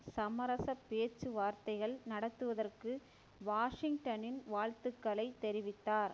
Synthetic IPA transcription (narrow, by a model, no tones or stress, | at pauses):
sɐmɐɾɐsɐpːeːt͡ʃːɯʋaːɾt̪ɐɪɣɐɭnɐɽɐt̪ːɯʋɐðɐrkɯ | ʋaːʂɪŋʈɐnɪnʋaːɻt̪ɯkːɐlɐɪt̪ːɛɾɪʋɪt̪ːaːɾ